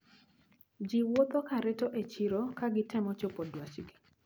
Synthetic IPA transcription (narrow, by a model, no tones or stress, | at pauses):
d͡ʒiwot̪okaɾetoʔet͡ʃiɾokaɡɪtɪmɔt͡ʃopodwat͡ʃɡi